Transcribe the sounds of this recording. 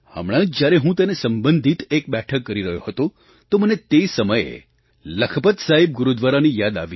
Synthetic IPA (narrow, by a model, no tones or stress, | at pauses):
hə̰mɽ̃ãd͡ʒd͡ʒjaɾeɦũt̪ənesəmbənd̪ʱit̪ek̚bɛʈʰəkːəɾiɾəɦjoɦət̪o | t̪omənet̪esəməjḛ | ləkʰəpət̪saɦib̚ɡuɾud̪ʋaɾanijad̪a̰ʋi